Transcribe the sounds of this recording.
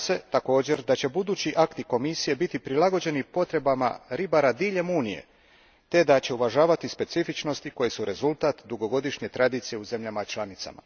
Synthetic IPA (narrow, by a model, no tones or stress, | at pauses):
se̞t̪ako̞ːd͡ʑe̞ɾd̪at͡ɕe̞bud̪uːt͡ɕiʔakt̪iko̞misije̞bit̪ipɾilaɡo̞d͡ʑe̞nipo̞t̪ɾe̞bama̰ɾibaɾad̪iːʎe̞muːnije̞̰ | t̪e̞d̪at͡ɕe̞uʋaʒaːʋat̪ispe̞t̪sifit͡ʃno̞st̪iko̞je̞suɾe̞zulˠt̪aːt̪d̪uɡo̞ɡo̞d̪iʃɲe̞t̪ɾad̪iːt̪sijeuze̞mʎamat͡ʃlanit̪sa̰ma̰